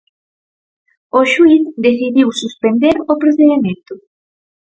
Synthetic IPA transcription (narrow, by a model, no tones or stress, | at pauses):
oʃuiθd̪eθiðiwsuspend̪eɾopɾoθeðemẽnt̪ʊ